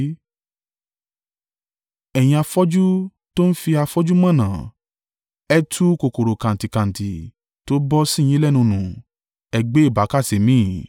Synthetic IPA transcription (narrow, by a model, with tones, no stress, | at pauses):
ɛ˨j̃ĩ˧a˧fɔ˦d͡ʒu˦ | to˦n̩˦fi˧a˧fɔ˦d͡ʒu˦mã˦˨nã˨˦ | ɛ˦tʰu˦ko˨ko˨ɾo˨kã˨n̩˨ti˨kã˨n̩˨ti˨ | to˨˦bɔ˦sĩ˦˨j̃ĩ˦lɛ˦˨nũ˧nũ˨ | ɛ˧ɡ͡be˨˦i˦˨ba˨˦ka˦˨se˨mĩː˦˨